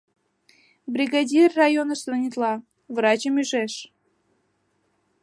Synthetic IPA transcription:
bɾʲiɡadʲirːajonəst̪unʲit̪lˠɑ | vrɑt͡ɕəmyʒeʃ

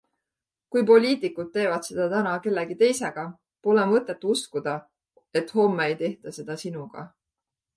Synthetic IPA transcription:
kujpo̞lʲiːt̪ˑikːˑud̪̚t̪ːe̞ːvɑt̪se̞d̪̥ɑt̪ænɑke̞lːeɡ̥it̪e̞jse̞ɡ̥ɑ | polemɤt̪ˑːe̞t̪ːˑuskud̪̥ɑ | e̞t̪ːˑho̞mːeejt̪e̞ht̪ɑse̞d̪̥ɑsinuɡ̥ɑ̰

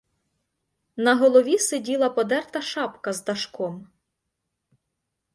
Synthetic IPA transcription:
nɐɦɔlˠɔʋʲisedʲilˠɐpɔd̪ɛrt̪ɐʃɑpkɐzd̪ɐʃkɔm

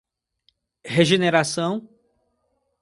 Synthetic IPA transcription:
heʒeneɾasɐ̃w̃

